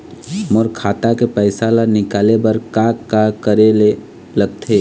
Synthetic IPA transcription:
mɔɾkʰaːt̪akepɛɪsalanɪkaːlebɐɾkaːkakəɾele | ləɡ̚t̪ʰeː

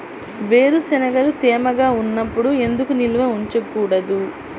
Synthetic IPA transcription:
ʋe̞ːɾusɛnɐɡɐlut̪eːmɐɡaːunːɐpːuɽue̞nd̪ukuniluʋɐuɲt͡ʃɐkːuːɽɐd̪u

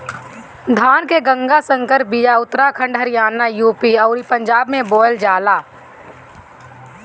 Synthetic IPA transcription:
d̪ʱaːnkeɡə̃ŋɡasə̃ŋkəɾ̚bijaʊt̪ːɾakʰə̃ɳɖɦəɾɪjaːnːajuːpiɐʊɾipə̃ɲd͡ʒaːbmẽbɔːjld͡ʒaːlaː

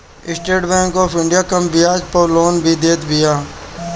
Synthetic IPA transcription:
ɪsʈeːɖbɛ̃ːŋkoːfʰɪ̃ɳɖɪjaːkə̃mbɪjaːd͡ʒpəloːnbʱiːd̪eːt̪bɪjaː

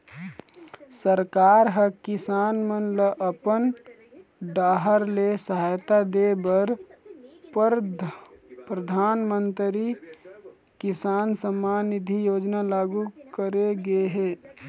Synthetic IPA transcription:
səɾkaːɾɦəkɪsaːnmənləʔəpən | ɖaːɦəɾlesəɦajt̪ad̪ebəɾ | pɾəd̪ʱaːnmənt̪ɾi | kɪsaːnsəmanid̪ʱijoːd͡ʒnalaːɡukəɾeɡeɦeː

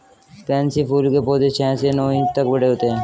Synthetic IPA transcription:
pɛ̃ːnsipʰuːlkepɔːd̪et͡ʃʰɛ̃ːsenɔːĩt̪əkbəɽeɦoːt̪eɦɛ̃ː

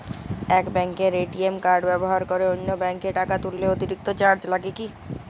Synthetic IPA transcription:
ɛkbɛŋkeɾeʈiemkaɾɖbɛboɦaɾkoɾeonːobɛŋkeʈakat̪ulːeot̪iɾik̚t̪ot͡ɕaɾd͡ʑlaɡeki

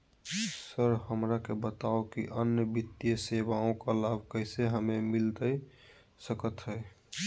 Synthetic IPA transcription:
səɾhəmɾakebət̪aokḭʔənjəbit̪ijəsebaõkalabʱkəɦɪseɦəmemilt̪əj | səkət̪ɦəj

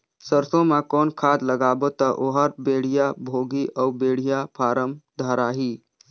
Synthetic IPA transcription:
səɾsõmãkɔːnkʰaːd̪ləɡaːbot̪əʔoɦaɾbeːɽ̤ijabʱoːɡiʔɔbeːɽ̤ijapʰaːɾəmd̪ʱaːɾaːɦiː

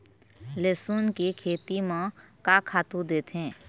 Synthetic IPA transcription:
leːsuːnkikʰeːt̪imãkakʰaːt̪ud̪eːt̪ɦɛ̃ː

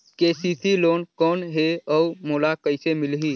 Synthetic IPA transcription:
keːsiːsiloːnkɔːnɦeɔumoːlakəɪsemɪlɦiː

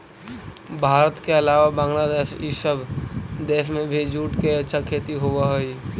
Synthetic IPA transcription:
bʱaːɾət̪keɐlaːʋabãːŋɡlaːd̪eːʃisəbd̪eːʃmẽbʱid͡ʒuːʈkeətːʃʰakʰeːt̪iɦowaɦoi

